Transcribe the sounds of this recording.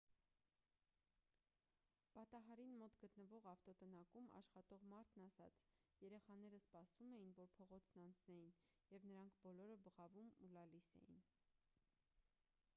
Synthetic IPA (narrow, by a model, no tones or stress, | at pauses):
b̥ɑt̪ɑɦɑɾinmɔt̪ɡət̪nəvɔʁɑft̪ɔt̪ənɑkumɑ̰ʃχɑt̪ɔʁmɑɾt̪ʰnɑsɑt͡sʰjɛɾɛχɑnɛɾəspɑsumɛjinvɔɾpʰɔʁɔt͡sʰnɑnt͡sʰnɛjin | jɛvnəɾɑŋkʰbɔlɔɾəbəʁɑvumulɑlisɛ̰jḭn